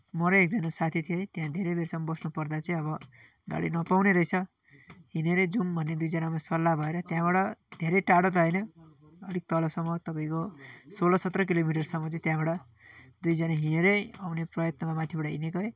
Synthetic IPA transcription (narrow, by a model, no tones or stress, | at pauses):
mʌɾʌek̚d͡zʌnasat̪ʰit̪ʰijʌt̪ejãd̪ʱeɾʌbersʌmbʌsnupʌrd̪at͡sʌĩʌβʌ | ɡa̰ɽḭnʌpawneɾʌjt͡sʰʌ | ɦineɾed͡zumbʱʌnːed̪ujd͡zʌnamasʌlːabʱʌeɾʌt̪jãbaɽʌd̪ʱeɾʌjʈaɽʌt̪̬ʌɦʌjnʌ | ʌd̪ʱik̚t̪ʌlʌsʌmːʌt̪ʌpaĩkosolʌsʌt̪rʌk̬ilomiʈʌrsʌmːʌt͡sʌ̃ĩt̪jãbaɽʌ | d̪ujd͡zʌnaɦineɾʌjawneprʌjʌt̪nʌmamat̪ʰjebaʈʌɦinekʌe